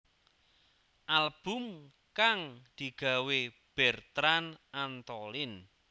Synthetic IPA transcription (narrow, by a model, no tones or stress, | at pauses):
ʔalb̥ʊ̤m | kaŋd̪̥i̤ɡ̥a̤we | b̥ɛ̤rt̪ɾanant̪ɔlɪn